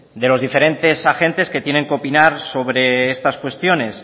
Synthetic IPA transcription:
d̪e̞lo̞zðife̞ɾe̞nt̪e̞saxe̞nt̪e̞ske̞t̪je̞ne̞ŋkeo̞pinaɾso̞β̞ɾe̞est̪askwe̞st̪jo̞ne̞s

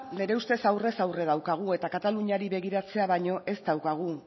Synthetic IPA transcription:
ne̞ɾe̞ust̪e̞sawre̞sawre̞ð̞awkaɣ̞ue̞t̪akat̪aluɲaɾiβe̞ɣ̞iɾat͡se̞aβaɲo̞ʔe̞sd̪awkaɣ̞u

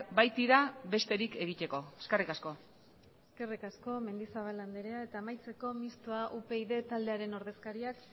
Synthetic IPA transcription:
bajt̪iɾaβe̞st̪e̞ɾike̞ɣ̞it̪e̞ko̞eskerikasko̞ | eske̞rikasko̞me̞nd̪isaβ̞aland̪eɾeae̞t̪aːmajt͡se̞ko̞mist̪oaʔupe̞iðe̞t̪ald̪e̞aɾe̞no̞ɾðe̞skaɾiak

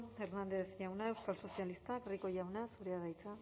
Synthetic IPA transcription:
eɾnand̪eθʝawnaewskalso̞sialist̪akriko̞ʝawnasuɾeaðajt͡sa

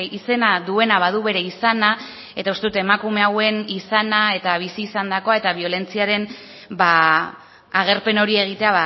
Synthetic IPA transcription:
ise̞naðue̞naβað̞uβe̞ɾe̞isana | e̞t̪aust̪e̞ut̪e̞makume̞awe̞nisanae̞t̪aβ̞isiːsand̪ako̞ae̞t̪aβio̞le̞nt͡siaɾe̞n | ba | aɣ̞e̞ɾpe̞no̞ɾie̞ɣ̞it̪e̞aβa

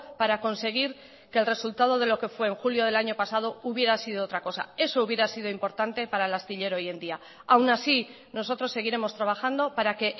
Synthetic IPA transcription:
paɾako̞nse̞ɣ̞iɾ | kelre̞sult̪að̞o̞ð̞e̞lo̞ke̞fwe̞ːŋxuljo̞ð̞e̞laɲo̞pasað̞o̞uβje̞ɾasið̞o̞ot̪ɾako̞sa̰e̞so̞uβje̞ɾasið̞o̞impo̞ɾt̪ant̪e̞paɾaelast̪iʎe̞ɾo̞je̞nd̪ia | awnasi | no̞so̞t̪ɾo̞sːe̞ɣ̞iɾe̞mo̞st̪ɾaβaxand̪o̞paɾake̞ʔ

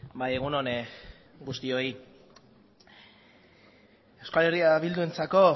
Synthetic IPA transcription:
baje̞ɣ̞uno̞n | ɡust̪io̞i | ewskale̞riaβild̪ue̞nt͡sako̞

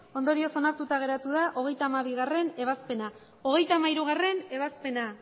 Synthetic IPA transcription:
o̞nd̪o̞ɾio̞so̞naɾt̪ut̪aɣ̞e̞ɾat̪uðaʔo̞ɣ̞e̞jt̪aːmaβiɣare̞ne̞βaspe̞na | o̞ɣ̞e̞jt̪aːmaiɾuɣ̞are̞ne̞β̞aspe̞na

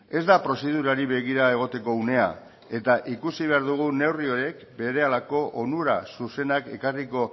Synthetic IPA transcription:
e̞zd̪apɾo̞seðuɾaɾiβe̞ɣ̞iɾae̞ɣo̞t̪e̞ko̞une̞a̰ | e̞t̪aʔikusiβ̞e̞aɾðuɣ̞une̞wrio̞ɾe̞k | be̞ɾe̞alako̞ʔonuɾasuse̞nake̞kariko̞

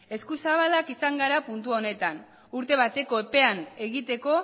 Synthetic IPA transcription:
e̞skusaβ̞alakisaŋɡaɾapunt̪uo̞ne̞t̪an | uɾt̪e̞β̞at̪e̞ko̞epe̞ane̞ɣit̪e̞ko̞

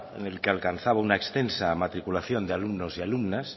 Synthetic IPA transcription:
ḛnelkealkan̟θaβaunaekst̪ensamat̪ɾikulaθjo̞nd̪ealumnosialumnas

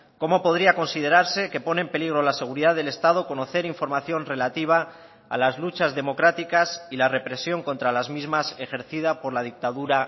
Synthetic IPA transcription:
ko̞mo̞po̞ð̞ɾiako̞nsið̞e̞ɾaɾse̞ke̞po̞neːmpe̞liɣɾo̞lase̞ɣ̞uɾiðaðe̞le̞st̪að̞o̞ko̞no̞θe̞ɾiɱfo̞ɾmaθjo̞nre̞lat̪iβ̞a̰ː | lazlut͡ʃazðe̞mo̞kɾat̪ikasilare̞pɾe̞sjo̞ŋko̞nt̪ɾalazmizmase̞xe̞ɾθiðapo̞ɾlað̞ik̚t̪aðuɾa

